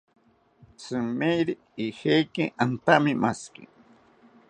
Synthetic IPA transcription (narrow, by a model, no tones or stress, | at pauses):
sɨmejɾi | ihejkeʔant̪amɪmaskḭ